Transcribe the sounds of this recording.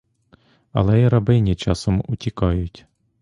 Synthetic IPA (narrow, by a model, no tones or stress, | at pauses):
ɐ̰lˠɛjiɾɐbɪnʲit͡ʃɑsɔmutʲikɑjʊtʲ